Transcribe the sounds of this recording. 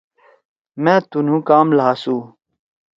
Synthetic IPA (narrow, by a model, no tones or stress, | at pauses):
mɛ̃ːt̪un̤ũːkaːmlaːsũː